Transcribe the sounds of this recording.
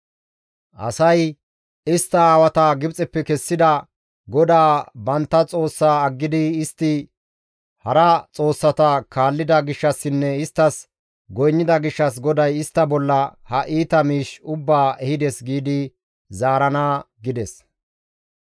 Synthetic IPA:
ʔɐ̰sɐj | ɪst̪ːɐaːwɐt̪ɐɡɪbt͡sʼɛpːɛkɛsːɪd̪ɐ | ɡɔd̪aːbɐnt̪ːɐt͡sʼo̞ːsːaːɐɡːɪd̪ɪɪst̪ːɪ | hɐɾɐt͡sʼo̞ːsːɐt̪ɐkaːlːɪd̪ɐɡɪʃːɐsːɪnːɛɪst̪ːɐs | ɡɔjnːɪd̪ɐɡɪʃːɐs̬ɡɔd̪ɐjɪst̪ːɐbɔlːɐhɐʔiːt̪ɐmiːʃʊbːaːʔɛhɪd̪ɛsɡiːd̪ɪ | zaːɾɐnaːɡɪd̪ɛs

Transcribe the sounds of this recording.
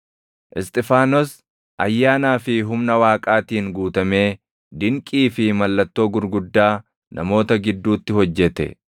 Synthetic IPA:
ʔɪst̪ʼɪfaːnɔs | ʔɐjːaːnaːfɪɦʊmnɐwaːkʼaːt̪iːŋɡuːt̪ɐme̞ː | d̪ɪŋkʼiːfɪmɐlːɐt̪ːo̞ːɡʊɾɡʊd̪ːaː | nʔɐ̰mo̞ːt̪ɐɡɪd̪ːuːt̪ːɪɦɔd͡ʒːɛt̪ɛ̰

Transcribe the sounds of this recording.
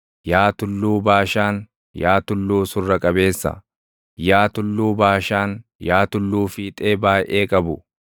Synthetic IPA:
jaːt̪ʊlːuːbaːʃaːn | jaːt̪ʊlːuːsʊrːɐkʼɐbe̞ːsːɐ̰ | jaːt̪ʊlːuːbaːʃaːnjaːt̪ʊlːuːfiːt̪ʼe̞ːbaːjʔeːkʼɐbʊ

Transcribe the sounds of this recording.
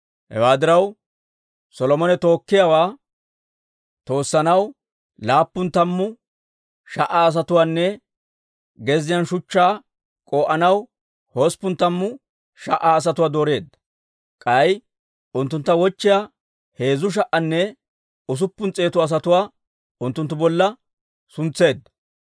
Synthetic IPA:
hɛ̰waːd̪ɪɾɐw | sɔlɔmɔnɛt̪o̞ːkːɪjawaː | t̪o̞ːsːɐnɐw | laːpːʊnt̪ɐmːʊ | ʃɐʔaːs̬ɐt̪ʊwaːnːɛ | ɡɛzɪjɐnʃʊt͡ʃːaː | kʼoːʔɐnɐw | hospːʊnt̪ɐmːʊ | ʃɐʔaːs̬ɐt̪ʊwaːd̪oːɾe̞ːd̪ːɐ̥ | kʼɐj | ʊnt̪ːʊnt̪ːɐwɔt͡ʃːɪjaː | he̞ːzʊʃ̬ɐʔɐnːɛ | ʊs̬ʊpːʊnt͡sʼe̞ːt̪ʊɐs̬ɐt̪ʊwaː | ʊnt̪ːʊnt̪ːʊbɔlːɐ | sʊnt͡sːe̞ːd̪ːɐ̥

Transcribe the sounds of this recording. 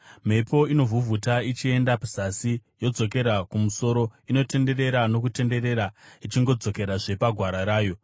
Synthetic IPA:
m̤e̞po̞ino̞vuvʱutait͡ʃie̞ndapu̥sasijo̞d͡zo̞ke̞ɾakumuso̞ɾo̞ino̞te̞nde̞ɾe̞ɾano̞kute̞nde̞ɾe̞ɾait͡ʃiŋɡo̞d͡zo̞ke̞ɾaʐe̞paɡʱwaɾaɾaːjo̞

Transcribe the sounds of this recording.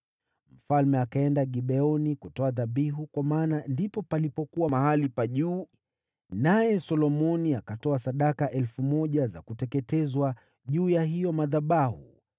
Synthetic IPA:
m̩falmɛakaɛndaɠiɓɛɔnikutɔaðaɓiɦukwamaːnandipɔpalipɔkuwamahalipaʄuː | najɛsɔlɔmɔniakatɔasaɗakaʔɛlfumɔʄaza̰kutɛkɛtɛzwa | ʄuːjaɦijɔmaðaɓahṵ

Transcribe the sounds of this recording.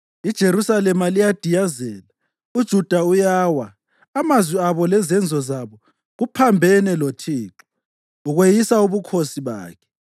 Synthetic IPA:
id̥ʒ̥ʱeɾusalɛmalijad̥ʱijazɛːla | ud̥ʒ̥ʱud̥ʱaujaːwaː | mazwiaβɔlɛzɛnd͡zʱɔzaβɔ | ɣupʰambʱɛnɛlotʰiːǁɔ | uɣwejisauβukʰosiβa̰ːkʰɛ̥

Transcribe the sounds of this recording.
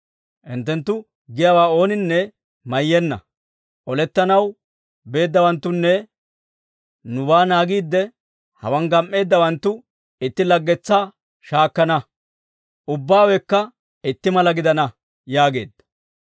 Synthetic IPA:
ʔɪnt̪ːɛnt̪ːʊ | ɡɪjawaːo̞ːnɪnːɛ | mɐjːɛnːɐ̰ | ʔɔlɛt̪ːɐnɐw | be̞ːd̪ːɐwɐnt̪ːʊnːɛ | nʊbaːnaːɡiːd̪ːɛ | hɐ̰wɐŋɡɐmʔːe̞ːd̪ːɐwɐnt̪ːʊ | ɪt̪ːɪlɐɡːɛt͡sːaː | ʃaːkːɐnɐ | ʔʊbːaːwɛkːɐ | ɪt̪ːɪmɐlɐɡɪd̪ɐnɐ | jaːɡe̞ːd̪ːɐ̥

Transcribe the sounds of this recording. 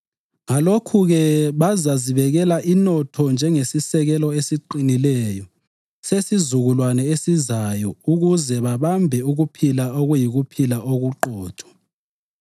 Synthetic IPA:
ŋalokʰuɣɛβazaziβɛɣɛlaʔinɔtʰɔnd͡ʒʱɛŋesisɛɣɛlɔesiǃinilɛjɔ | sesizuɣulwanɛesizajɔuɣuzɛβaβambʱɛuɣupʰilaoɣujiɣupʰilaʔoɣuǃɔːtʰʼɔ̥

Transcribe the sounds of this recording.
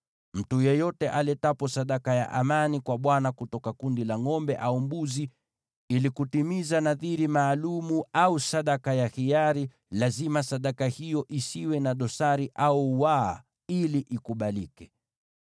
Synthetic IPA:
m̩tujɛjɔtɛʔalɛtapɔsaɗakaja̰ʔamanikwaɓwanakutɔkakundilaŋɔmbɛʔaumbuzi | ilikutimizanaðiɾimaːlumuausaɗakajahijaɾi | lazimasaɗakahijɔʔisiwɛnaɗɔsaɾiʔauwa | iliʔikuɓalikɛ

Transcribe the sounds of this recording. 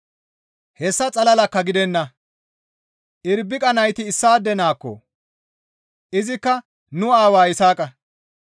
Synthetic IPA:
hɛsːɐt͡sʼɐlɐlɐkːɐɡɪd̪ɛnːɐ | ʔɪɾbːɪkʼɐnɐjt̪ɪːsːaːd̪ːɛnaːkːɔ̰ | ʔɪzɪkːɐ | nʊaːwaːɪsaːkʼɐ

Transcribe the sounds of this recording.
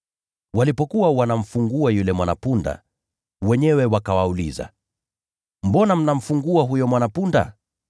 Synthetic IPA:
walipɔkuwawanam̩fuŋɡuajulɛmwana̰punda̰ | wɛɲɛwɛwakawaulḭza̰ | mbɔnam̩nam̩fuŋɡuaɦujɔmwanapunda̰

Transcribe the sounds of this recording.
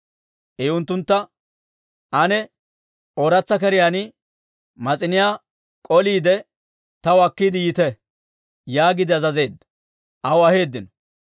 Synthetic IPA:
ʔeʊnt̪ːʊnt̪ːɐ | ʔɐnɛ | ʔoːɾɐt͡sːɐkɛɾɪjaːnɪ | mɐt͡sʼɪnɪjaː | kʼɔliːd̪ɛ | t̪ɐwɐkːiːd̪ɪjɪt̪ɛ | jaːɡɪd̪ɪɐzɐze̞ːd̪ːɐ̥ | ʔɐwɐhe̞ːd̪ːɪnɔ

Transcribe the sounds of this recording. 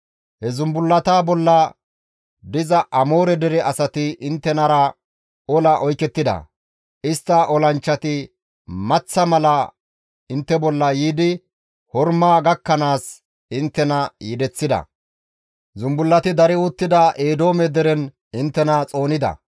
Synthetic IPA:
hɛzʊmbʊlːɐt̪aːbɔlːɐ | d̪ɪzɐʔɐmo̞ːɾɛd̪ɛɾɛʔɐsɐt̪ɪʔɪnt̪ːɛnɐɾɐ | ɔlɐʔɔjkɛt̪ːɪd̪ɐ̰ | ʔɪst̪ːɐʔɔlɐnt͡ʃːɐt̪ɪ | mɐt͡sːɐmɐlɐ | ɪnt̪ːɛbɔlːɐjiːd̪ɪ | hɔɾmaːɡɐkːɐnaːs | ɪnt̪ːɛnɐjɪd̪ɛt͡sːɪd̪ɐ̰ | zʊmbʊlːɐt̪ɪd̪ɐɾɪʊt̪ːɪd̪ɐʔeːd̪o̞ːmɛd̪ɛɾɛn | ɪnt̪ːɛnɐt͡sʼo̞ːnɪd̪ɐ̰

